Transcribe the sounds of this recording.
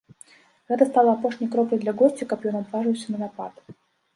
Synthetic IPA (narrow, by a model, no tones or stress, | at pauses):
ɛt̪əst̪alˠəɐpoʂnʲəjkɾoplʲɪd̪lʲɐɡort͡ɕʲɪkɐpʲjonɐd̪vaʐɨvəjsʲənənɐpat̪